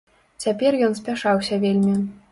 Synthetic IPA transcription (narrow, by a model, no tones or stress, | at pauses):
t͡sʲapʲerjɔnspʲaʂɑwsʲɐʋʲelʲmʲi